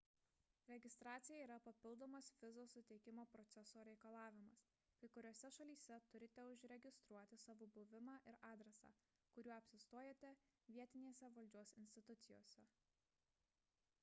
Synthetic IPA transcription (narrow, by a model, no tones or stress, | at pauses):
ɾʲɛɡʲɪst̪ɾɑːt̪sʲɪjɛiːɾɐpɐpʲɪlˠd̪oːmɐsʋʲɪzoːsʊt̪ʲɛɪkʲɪmoːpɾɔt̪sʲɛsoːɾʲɛɪkɐlˠɑːʋʲɪmɐs | kɐɪkʊɾʲoɔsʲɛʃɐlʲiːsʲɛt̪ʊɾʲɪt̪ʲɛʊʃɾʲɛɡʲɪst̪ɾuɔt̪ʲɪsɑʋobʊʋʲɪmɑːʔɪɾɑːd̪ʲɾʲɛsɑ̰ː | kʊɾʲuːɐpʲsʲɪst̪oːjeːt̪ʲɛ | ʋʲiɛt̪ʲɪnʲeːsʲɛʋɐlʲd͡ʒʲuɔsɪnʲsʲt̪ʲɪt̪ʊt̪sʲɪjo̰ːsʲɛ